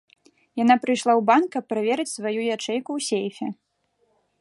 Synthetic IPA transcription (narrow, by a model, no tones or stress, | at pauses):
jan̪apɾɨjʂlˠawbankːɐpːɾavʲɛɾɨt͡sʲsvajujat͡ʂɛjkuwsʲejfʲɛ